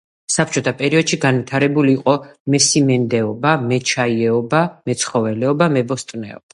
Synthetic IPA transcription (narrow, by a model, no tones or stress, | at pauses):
sap̚ʰt͡ʃʼɔt̪ʰapʼɛɾiɔd̪̥ʃiɡanvit̪ʰaɾɛbuliːqʼɔmɛsimɛnd̪ɛɔbamɛt͡ʃʰaiɛɔbamɛt̪sʰχɔvɛlɛɔbamɛbɔst̪ʼnɛ̰ɔ̰ba